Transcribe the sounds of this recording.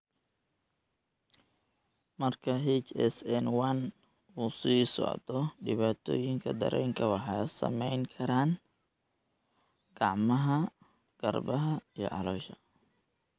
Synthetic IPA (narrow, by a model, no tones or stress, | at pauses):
mɐrkʰɐɦɛt͡ʃɛsɛnwɐn | uːsiːsɔ̰ʕd̪ɔɖɪβaːt̪ʰɔ̰ːjɪŋkʰɐ̰d̪ɐ̰ɾʔɛjŋkʰɐwɑħɑːsɐ̰mɛjŋkʰɐɾaːn | ɡ̥ɑʕmɐɦɐ | ɡ̥ɐrbɐɦɐijɔ̰ʕɑ̰lɔːʃɐ